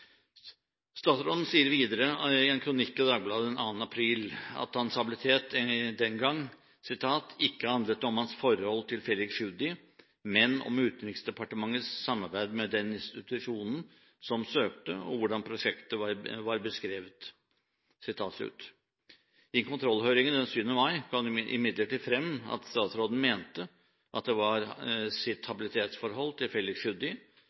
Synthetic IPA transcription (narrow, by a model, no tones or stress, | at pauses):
st̪ɑːt̪sɾɔd̪n̩siːəɾʋiːd̪əɾəɪɛnkʰɾʊnɪkːɪd̪ɑːɡblɑːd̪əd̪ɛnɑ̰ːn̩ɑpʰɾiːlɑ̰t̪hɑnsɑbɪlɪt̪ʰeːt̪d̪ɛnɡɑŋː | sɪt̪ʰɑːt̪ʰɪkːəhɑnd̪lət̪ːɔmhɑnsfɔɾhɔlːt̪ʰɪlfɛlːɪksʂʉd̪ɪ | mɛnɔ̰mʉːt̪nɾɪksd̪ɛpʰɑʈəmɑŋːəsːɑmːɑɾbæɪd̪mɛd̪ɛnɪnst̪ɪt̪ʉʂuːnn̩ | sɔmsøːk̚t̪əɔ̰ʋʊɖɑnpʰɾʊʂɛkt̪əɑɾʋɑɾbəskɾeːʋət̪ | sɪt̪ʰɑːt̪slʉ̰ːt̪ | ɪnkʰʊnt̪ʰɾɔlːhøʏɾɪŋənd̪ɛnsyːʋənəmɑɪkʰɑnʔɪ̰mɪd̪ləʈiːd̪fɾɛmːɑ̰t̪st̪ɑːt̪sɾoːd̪n̩meːnt̪ə | ʔɑt̪̚d̪ɛʋɑɾsɪt̪hɑbɪlɪt̪ʰeːt̪sfɔɾɦɔlːt̪ʰɪlfɛlːɪkʂʉd̪ɪ